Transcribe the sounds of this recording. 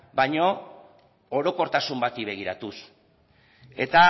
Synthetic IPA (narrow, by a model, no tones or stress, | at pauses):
bajɲo̞ | oɾo̞ko̞ɾt̪asumbat̪iβe̞ɣiɾat̪us | e̞̰t̪a